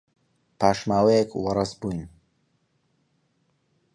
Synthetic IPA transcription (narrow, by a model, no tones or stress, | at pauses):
pʰaːʃmaːwejekwɐɾɐsbujn